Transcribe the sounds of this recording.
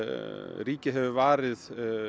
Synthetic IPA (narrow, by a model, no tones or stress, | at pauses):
riːcɪɦɛvʏvaːɾɪð